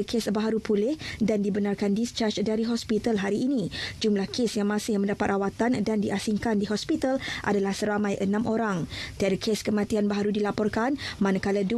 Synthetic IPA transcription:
kʰesbaɦaɾupulɪhdandibənarkandist͡ʃart͡ʃdaɾiɦɔspit̪alɦaɾiːnĩd͡ʒumlahkesjaŋmãsɪhmə̃ndapat̪awat̪andandiʔasiŋkandiɦɔspit̪alʔa̰dalahsəɾamãjʔənãmʔoɾaŋt̪iadakʰeskəmãt̪ianbaɦaɾudilapɔrkanmãnakaladu

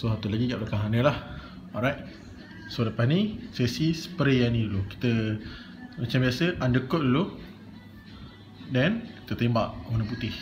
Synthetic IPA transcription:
sosat̪ulaɡiɡaʔblakãŋɦanəlah | ɔɾajt̚ | soləpanisesisə̥pəɾeanĩduluki̥t̪ə | mat͡ʃãmbiasəʔandəkoʔ̚dulu | dɛnki̥t̪ət̪embaʔmonəp̬ut̪ɪh

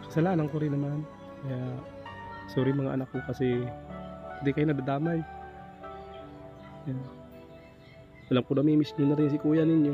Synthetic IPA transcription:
sɐsɐlaːnɐŋkoɾɪnɐman | kɐja | suːɾɪmɐŋaʔɐ̰nakːokɐsɛ | pɐd̪ɪkɐjʊnɐɡd̪ad̪aːmaj | wɐlamkʊnɐmimɪsninɐɾɪns̬ɪkuːjanɪɲjo

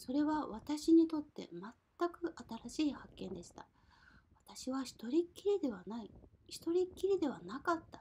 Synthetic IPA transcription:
so̞ɾe̞βaβat̪aɕiɲ̟it̪o̞t̪ːe̞̰mat̪ːakɯ̟ʔat̪aɾaɕiːhakːẽ̞nd̪e̞ɕi̥t̪a | βat̪aɕiβaçi̥t̪o̞ɾʲikʲːiɾʲid̪e̞βanaiçi̥t̪o̞ɾʲikʲːiɾʲid̪e̞βanakat̪ːḁ

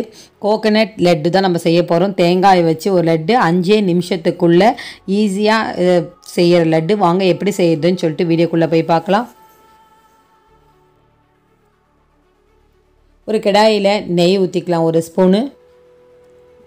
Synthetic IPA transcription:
koːkɐnɛʈ̚lɛɖːɯt̪ãːnɐmːɐsɛjːɐpːoːɾõːt̪eːŋɡaːjʋɐt͡ʃːɯɔɾɯlɛɖːɯɐɲd͡ʒeːnɪmɪʂɐt̪ːɯkːɯɭːɐiːs̬ɪjaːsɛjːɐɾɐlɐɖːɯʋaːŋɡɐɛpːɐɽisɛjːɾɐðɯnːɯsɔlːɪʈːɯʋiːɽjoːkːɯɭːɐpoːjpaːɾkɐlãː | ɔɾɯkɛɽaːjɪlɐnɛjut̪ːɪkːɐlãːɔɾɯspuːnɯ

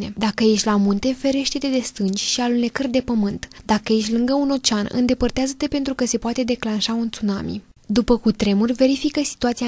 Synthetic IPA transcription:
ne̞d̪akəje̞ʃʲlamunt̪e̞fe̞ɾe̞ʃt̪e̞t̪e̞d̪e̞st̪ɨnt͡ʃʲʃialunekərd̪e̞pəmɨnt̪d̪akəje̞ʃʲlɨŋɡəuno̞t͡ʃanɨ̰nd̪e̞pərt̪eazət̪e̞pe̞nt̪ɾukəse̞poat̪e̞d̪e̞klanʃaunt̪sunamḭ | d̪upəkut̪ɾe̞murʲve̞ɾifikəsi̥t̪uat̪sia

